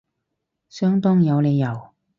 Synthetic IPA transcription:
sœː˥ŋt̪ɔː˥ŋjɐ˨˧wle˨˧jːɐ˨˩w

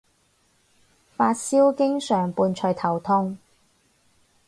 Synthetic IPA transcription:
faː˧t̚siː˥wkɪ˥ŋsœː˨˩ŋpuː˨˧nt͡ʃʰœ˨˧jt̪ʰɐ˨˩wt̪ʰʊ˥ŋ

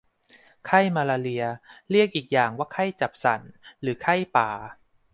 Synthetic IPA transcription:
kʰa˥˩jmaː˧laː˧li˧ɐɾi˥˩ək̚ʔiː˨˩k̚jaː˨˩ŋwaː˥˩kʰa˥˩jt͡ɕa˨˩p̚sa̰˨˩˦nɾɯː˩˦kʰa˥˩jpaː˨˩

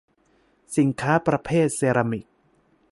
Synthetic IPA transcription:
si˩˦ŋkʰaː˦˥pɾa˧pʰeː˥˩t̪̚seː˧ɾa˧mi˨˩k̚

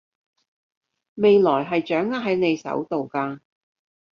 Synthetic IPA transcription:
me˨˧jlɔː˨˩jɦɐ˨jt͡ʃœː˨˥ŋːaː˥ɦɐ˨˥jne˨˧jsɐ̰˨˥wt̪o˨wkaː˧

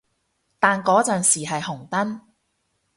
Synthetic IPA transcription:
t̪aː˨nkɔː˨˥t͡sœː˨nsiː˨˩ɦɐ˨jhʊ˨˩ŋt̪ɐ˥n

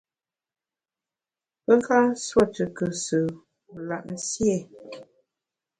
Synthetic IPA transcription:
pə˦ŋ˦ka˦swɔ˦˨tə˨kə˨sə˨ | la̰˨ʔ̚n̩˦sjɛ˦˨

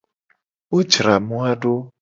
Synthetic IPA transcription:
o˦d͡ʒɾa˨mũ˦a˦ɖo˦

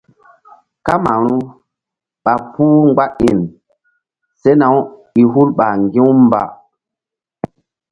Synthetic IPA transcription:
ka˦ma˨ɾu˦ | ɓa˨puː˦ŋɡ͡ba˦i˨n | se˦na˨˦wi˨ɦu˦lɓa˨ŋɡĩ˦wm˦ba̰˨

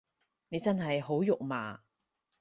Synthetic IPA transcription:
ne˨˧jt͡sɐ˥nɦɐ˨jɦo˨˥wjʊ˨k̚ma̰ː˨

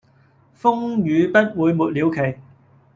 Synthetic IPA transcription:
fʊ˥ŋɥyː˨˧pɐ˥t̚wuː˨˧jmuː˨t̚liː˨˧wkʰe˨˩j

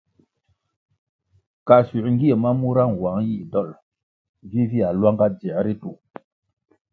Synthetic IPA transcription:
ka˨su˨ʔŋ˦ɡi˦e˨ma˦mu˦ɾa˦ŋwa˨˦ŋji˦˨dɔ˦˨l | vi˦vi˦a˨lwa˦ŋɡa˦d͡zɛ˨ʔɾi˦tu˨

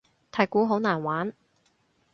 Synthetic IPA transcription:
t̪ʰaː˨˩jkuː˨˥ɦo˨˥wnaː˨˩nwaː˨˥n

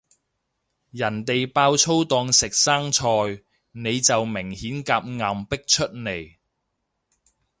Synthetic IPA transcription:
jɐ˨˩nt̪e˨jpaː˧wt͡sʰo˥wt̪ɔː˧ŋsɪ˨k̚saː˥ŋt͡sʰɔː˧j | ne˨˧jt͡sɐ˨wmɪ˨˩ŋhiː˨˥nkaː˧p̚ŋa˨mpɪ˥k̚t͡ʃʰɵ˥t̚ne˨˩j

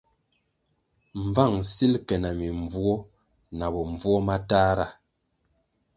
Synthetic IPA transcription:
ɱ˨va˦˨ŋsi˦lkɛ˨na˨mi˨ɱ˨vu˦ɔ˦ | na˨bɔ˨ɱ˨vu˦ɔ˦ma˦taː˦ɾa˦˨

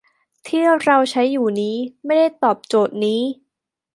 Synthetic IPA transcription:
t̪ʰiː˥˩əɾa˧wt͡ɕʰa˦˥jːuː˨˩niː˦˥ma˥˩jda˥˩jt̪ɔː˨˩p̚t͡ɕoː˨˩t̪̚niː˦˥

